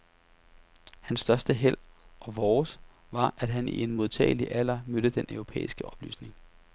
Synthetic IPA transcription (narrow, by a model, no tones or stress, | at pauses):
hænsːd̥ɶɐsd̥əɦel̰ʔɒ̽ʋɒːs | ʋɑ̈ʔæd̥ɦænḭe̝nmo̝ð̞ˠt͡sʰɛ̰ːɪliʔæl̰ɐmøɾ̥əd̥enʔœʊʁo̝pʰḛːisɡ̥əɒ̽b̥ly̰ːsne̝ŋ